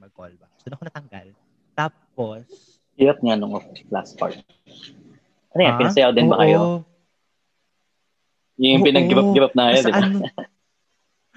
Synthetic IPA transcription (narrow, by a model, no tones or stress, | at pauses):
ɐŋɡal | a | p | ʔiɾɐt̪̚ŋanʊŋʔokla̰spa̰ɹt̪ | ʔɐnojanpɪnɐsɐjaod̪ɪnbɐkɐjo | jʊŋpɪnɐŋɡɪbp̚ɡɪbɐp̚nɐŋɐjod̪ɪba